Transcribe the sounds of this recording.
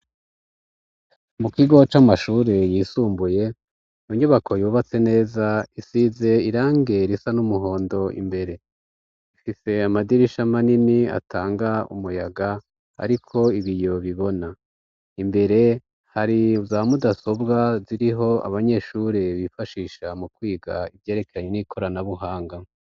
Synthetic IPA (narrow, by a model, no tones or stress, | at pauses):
mukiɡo̞t͡ʃamaʃuːɾe̞jisuːmbuje̞ | oɲoβakʰojuβat͡se̞ne̞ːzaisize̞iɾaːŋɡe̞ɾisanumuɦo̞ːndo̞ḭmbe̞ɾe̞ | ifise̞amadiɾiʃamaninia̰tʰaːŋɡaṵmujaɡa | ha̰ɾikʰo̞iβijo̞βiβo̞na | imbe̞ɾe̞ | haɾizaːamudaso̞bɡaziɾiɦo̞a̰βaɲe̞ʃuɾeβifaʃiːʃamukwiːɡaivje̞ːɾe̞keɾaɲenikʰo̞ɾanaβuɦaːŋɡa